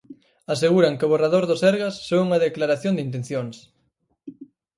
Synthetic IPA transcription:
as̬eɣuɾɐŋkɪʊβ̞oraðoɾðʊsɛɾɣasːouŋɐðeklaɾaθjond̪int̪ẽnθjoŋs

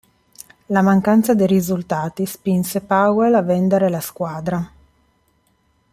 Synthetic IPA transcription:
lamaŋkant̪sad̪ejɾizult̪aːt̪ispinsepawelavɛnd̪eɾelaskwaːd̪ɾa

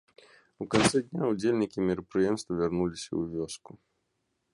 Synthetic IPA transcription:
ukant̪sɛd̪ʲnʲaud͡zʲelʲnʲikʲimʲɪɾɐpɾɨjɛmst̪vɐvʲarnulʲisʲɐ̰uvʲɔsku

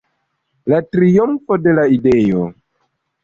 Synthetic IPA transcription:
latɾiomfo̞de̞laide̞jo̰

